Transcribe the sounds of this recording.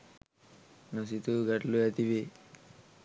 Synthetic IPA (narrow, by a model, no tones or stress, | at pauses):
nɐsit̪uɡɐʈluɐt̪iʋi